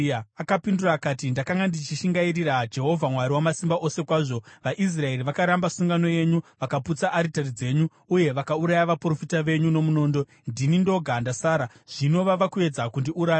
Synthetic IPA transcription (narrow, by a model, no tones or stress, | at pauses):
akapinduraːkaːtindakaŋɡandit͡ʃiʃiŋɡaiɾirad͡ʒe̞ɦo̞vʱamwaɾiwamasimbaʔo̞se̞kwaːʐo̞ʋaʔis̬rae̞ɾiʋakaɾambasuŋɡano̞je̞ɲuʋakaput͡saʔːɾitarid͡ze̞ːɲuːje̞ʋakauɾajaʋapro̞fitaʋe̞ɲuno̞muno̞ːndo̞ | ndinindo̞ɡʱandasaːɾa | ʐ̥ino̞ʋaʋakue̞d͡zakundiʔuɾaːja